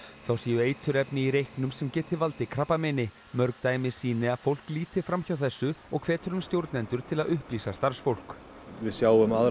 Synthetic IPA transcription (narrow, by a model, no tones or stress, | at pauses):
θawsiːjʏeːjt̪ʰʏɾɛpnɪiɾejhknʏmsɛmcɛːt̪ʰɪvalt̪ɪkʰɾapːamɪnɪ | mœɾkt̪ajmɪsiːnɪaðfowl̥kliːt̪ɪ̥fɾamçawθɛsːʏɔɣkʰvɛːt̪ʏɾʏnst̪jowɾt̪nɛnt̪ʏɾ̥t̪ʰɪlaðʏhpliːsast̪aɾ̥sfowl̥k | vɪðsjaːwʏmað